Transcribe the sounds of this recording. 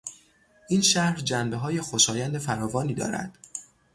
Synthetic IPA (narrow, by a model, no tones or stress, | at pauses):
ʔiːnʃæhɾd͡ʒæmbe̞ɦɒːje̞xoʃɒːjænd̪e̞fæɾɒːvɒːniːd̪ɒ̰ːɾæ̰d̪̥